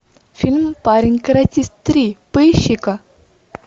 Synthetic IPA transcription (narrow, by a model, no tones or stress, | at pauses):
filmpaɾəŋkəɾat͡ɕist̪ɾiːpəjɕika